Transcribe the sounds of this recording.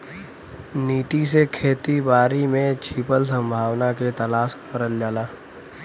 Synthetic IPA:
niːt̪is̬ekʰeːt̪ibaːɾimẽt͡ʃʰiːpəlsə̃mbʱaːʋnaket̪əlaːskəɾəld͡ʒaːlaː

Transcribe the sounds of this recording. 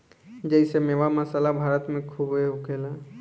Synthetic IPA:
d͡ʒɛɪsemeːʋaməsalabʱaːɾət̪mẽkʰubeʊkela

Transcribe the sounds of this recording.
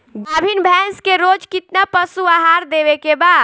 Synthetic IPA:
ɡabʱinbʱɛ̃nskeɾod͡ʒkit̪napəsuaɦaɾd̪eβekebaːd̪

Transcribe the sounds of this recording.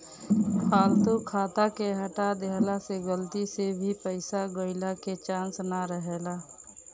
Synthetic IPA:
kʰaːlt̪okʰaːt̪akeɦəʈad̪eɦlaseɡəlt̪isebʱipəɪsaɡəɪlaket͡ʃãːnsnaɾəɦeːlaː

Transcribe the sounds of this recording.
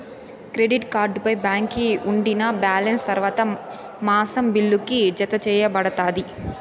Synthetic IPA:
kɾeɖiʈkaːɾɖpɐjbaːŋkiuɳɖinɐbaːlɐnst̪ɐɾʋaːt̪ɐ | maːsɐmbilːukid͡ʒɐt̪ɐt͡ʃɛːjɐbɐɽɐt̪aːd̪i

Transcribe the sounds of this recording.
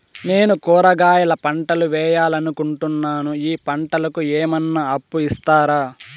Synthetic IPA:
ne̞ːnukɔːɾɐɡaːjɐlɐpɐɳʈɐluʋɛːjaːlɐnukuɳʈunːaːnuiːpɐɳʈɐlɐkuɛːmɐnːɐɐpːuist̪aːɾaː

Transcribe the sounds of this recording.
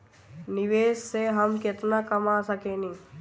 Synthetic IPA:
nɪʋeːsːeɦəmkɪt̪nakəmaːsəkeːni

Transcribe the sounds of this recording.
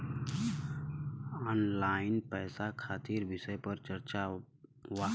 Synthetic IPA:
ɔnlaɪnpɛːsakʰaːt̪iɾbɪsəjpəɾt͡ʃəɾt͡ʃa | ʋa

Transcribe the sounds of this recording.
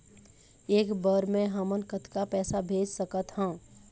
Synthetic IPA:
eːkbəɾmẽɦəmənkət̪kapɛːsabʱeːd͡ʒsəkət̪ɦə̃ː

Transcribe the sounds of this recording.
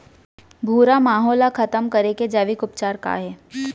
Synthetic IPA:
bʱuːɾamaːɦɔːlakʰɐt̪əmkɐɾeked͡ʒaːʋɪkʊpt͡ʃaːɾka̰ɦɛː

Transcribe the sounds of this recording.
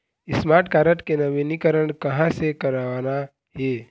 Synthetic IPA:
ɪsmaːɾʈkaːɾəʈkenɐʋinikəɾəɳkɐɦãsekəɾaʋaːna | ɦeː

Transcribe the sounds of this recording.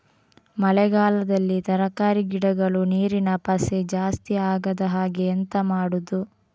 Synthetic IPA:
mɐlɛɡaːlɐd̪ɐlːit̪ɐɾɐkaːɾiɡiɽɐɡɐɭuniːɾinɐpɐsed͡ʒaːst̪iaːɡɐd̪ɐɦaːɡeːnt̪ɐmaːɽud̪u

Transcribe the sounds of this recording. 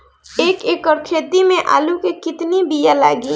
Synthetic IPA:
eːkeːkɔɾkʰeːd̪imẽʔa̰ːlukekɪt̪nibijalaːɡi

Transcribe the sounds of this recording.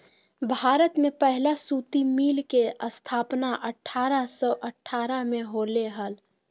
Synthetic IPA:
bʱaːɾət̪mẽpəɦlasuːt̪imiːlkeʔəst̪ʰaːpnaʔəʈʰːaːɾasɔʔəʈʰːaːɾamẽɦoleɦəl

